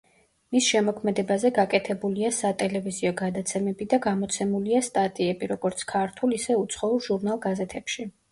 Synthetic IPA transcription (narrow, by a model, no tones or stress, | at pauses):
misʃɛmɔkʰmɛd̪ɛbazɛɡakʼɛt̪ʰɛbuliasat̪ʼɛlɛviziɔɡad̪at̪sʰɛmɛbid̪aɡamɔt̪sʰɛmuliast̪ʼat̪ʼiɛbiɾɔɡɔɾt̪sʰkʰaɾt̪ʰulisɛut̪sʰχɔulˠʒuɾnalˠɡazɛt̪ʰɛpʃi